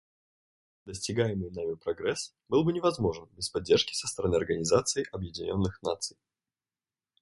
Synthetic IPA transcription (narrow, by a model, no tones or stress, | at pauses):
d̪əsʲtʲɪɡajɪmɨjnamʲɪpɾɐɡɾɛs | bɨlˠbɨnʲɪvɐzmo̞ʐɨnbʲɪspɐdʲːerʂkʲɪ̥sə̥st̪əɾɐnɨɐrɡənʲɪzat̪sɨɪʔɐbjɪdʲɪnʲo̞nːɨxna̰t̪sɨj